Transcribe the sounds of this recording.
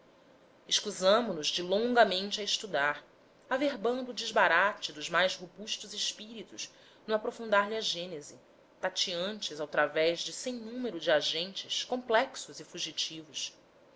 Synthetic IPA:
ɪʃkuzɐ̃mʊnʊzd͡ʒɪlõŋɡɐmẽnt͡ʃɪɐɪʃt̪ud̪aɾ | aveɾbɐ̃nd̪ʊuːd͡ʒɪʒbaɾat͡ʃɪd̪ʊzmajzhobuʃt̪ʊzɪʃpiɾit̪us | nũapɾofũnd̪aɾʎɪaʒẽnezɪ | t̪at͡ʃiɐ̃nt͡ʃɪzawt̪ɾavɛzd͡ʒɪsẽj̃nũmeɾʊd͡ʒɪaʒẽnt͡ʃɪskõmplɛksʊzɪfuʒit͡ʃivʊs

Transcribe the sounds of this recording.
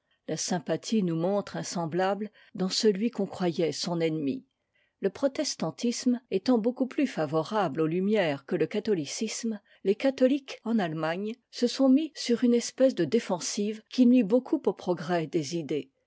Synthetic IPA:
lasɛ̃pat̪ʰinumɔ̃t̪χɛ̃sɑ̃blabl | d̪ɑ̃səlɥikɔ̃kχwajɛsɔ̃nɛnmḭ | ləpχɔt̪ɛst̪ɑ̃t̪ʰismet̪ɑ̃bokuplyfavɔʁablolymjɛʁkələkat̪ɔlisism | lekat̪ɔlikɑ̃nalmaɲ | səsɔ̃misyʁynɛspɛs̬d̪əd̪efɑ̃sivkʲʰilɥibokʰupopχɔɡʁɛd̪ezid̪e

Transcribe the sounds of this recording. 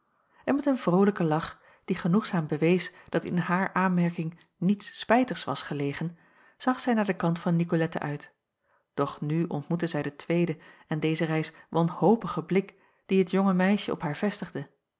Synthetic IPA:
ʔɛnmɛtənvrowləkəlɑχ | d̥iχənuχsaːmbəʋejsd̥ɑtɪ̰nɦaːɹʔaːnmɛɹkɪŋ | nitspɛjtəɹsʋɑ̰sχəlejχən | z̥ɑχsɛjnaːɹdəkɑntfɑnːikolɛtə̰ʔœɥt | d̥ɔχnyʔɔ̰ntmutəzɛjdətʋejdəɛndejzərɛjsʋɑnhowpəχəblɪk | d̥iɦətjɔŋəmɛjʃəɔ̰pɦaːɹv̥ɛstəχdə

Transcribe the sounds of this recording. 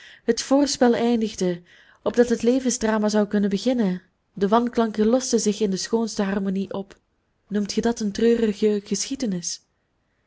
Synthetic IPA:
ɦətfoːrspɛlˠɛjndəɣdə | ɔb̚dɑtɦətlejvənzdraːmaːzɑwkɵnəbəɣɪnən | dəʋɑnklɑŋkəlɔstəzɪxɪndəsxoːnstəɦɑrmoniʔɔp | numtxədɑtəntrøːrəɣəɣəsxidənɪs

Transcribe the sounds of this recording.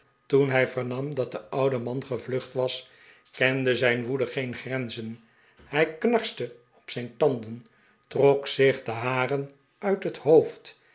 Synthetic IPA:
tunɦɛjvəɹnɑmdɑt̚dəʔɑwdəmɑnχəvlɵχtʋɑs | kɛndəzɛjnʋudəχejnχrɛnzən | hɛjknɑɹstə | ɔpsɛjntɑndən | trɔksɪχdəɦaːrən | ʔœɥtɦətɦowft

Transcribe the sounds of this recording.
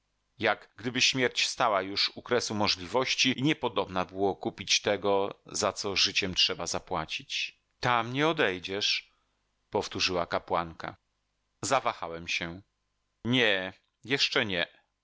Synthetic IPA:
jaɡɡd̪ɘbɘɕmʲjɛɾt͡ɕfst̪awajuʂukɾɛsumɔʐlʲivɔɕt͡ɕiiɲɛpɔd̪ɔbnabɘwɔkupʲit͡ɕt̪ɛɡɔzat̪sɔʐɘt͡ɕɛmtʂɛbazapwat͡ɕit͡ɕ | t̪amɲɛɔd̪ɛjd͡ʑɛʂ | pɔft̪uʐɘwakapwaŋka̰ | zavaxawɛmɕɛ | ɲɛ | jɛʂt͡ʂɛɲɛ

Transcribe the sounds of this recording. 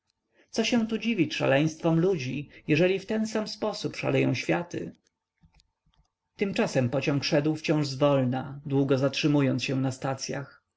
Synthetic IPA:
t̪sɔɕɛ̃t̪ud͡ʑivʲiʂa̰lɛj̃st̪fɔmlud͡ʑijɛʐɛlʲift̪ɛnsamspɔsupʂa̰lɛjɔ̰̃w̃ɕfʲjat̪ɘ̰ | t̪ɘmt͡ʂasɛmpɔt͡ɕɔ̃ŋkʂɛd̪wft͡ɕɔ̃w̃ʐzvɔlnad̪wuɡɔzatʂɘmujɔnt̪sɕɛw̃nast̪at̪sʲja̰x

